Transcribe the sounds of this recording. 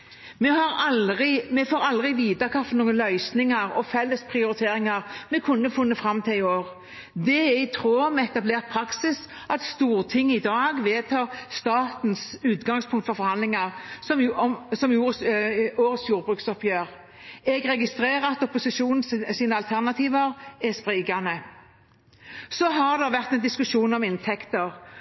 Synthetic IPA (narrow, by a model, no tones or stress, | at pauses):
mɛhɑɾɑʁɪmɛfoːʁɑld̪ʁɪʋiːd̪ɑkʰɑfɔnuːənlœʏsnɪŋəʁɔfɛlːəspʰʁɪʊɾɪt̪ʰeːɾɪŋɑʁmɛkʰʉnːəfʊnːəfɾɑmːt̪ʰɪlɪoːʁ | d̪ɛɛɪt̪ʰɾoːmɛɛt̪ɑbleːʁt̪̚pʰɾɑksɪs | ʔɑt̪st̪uːʁt̪ʰɪŋːəɪd̪ɑːɡʋeːt̪ʰɑːʁst̪ɑːt̪n̩sʉːt̪ɡɑŋspʰʊŋkt̪fɔɾfɔɾhɑnlɪŋɑʁsɔmsɔmjuːʁəoːʁət̪sjuːʁbʁʉːksɔpjøːʁ | ɛɡʁɛɡɪst̪ʁeːʁəɑt̪ɔpʊsɪʃuːnn̩siːnəɑlt̪ʰæʁnɑt̪ʰiːʋəʁɛspʁiːɡɑnə | sɔɦɑʁd̪ɛʋæʁt̪ɛnd̪ɪskʉʂuːnɔmɪnt̪ʰɛkt̪əʁ